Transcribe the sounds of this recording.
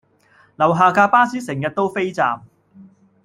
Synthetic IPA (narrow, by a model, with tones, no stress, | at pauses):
lɐ˨˩wɦaː˨˧kaː˧paː˥siː˥sɪ˨˩ŋjɐ˨t̚t̪o˥wfe˥jt͡sa̰ː˨m